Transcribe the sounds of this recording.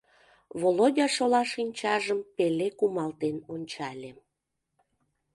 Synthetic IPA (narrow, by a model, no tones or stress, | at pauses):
βolodʲɑʃolɑʃinʲt͡ɕɑʒəmpelekumɑlt̪enonʲt͡ɕɑlʲe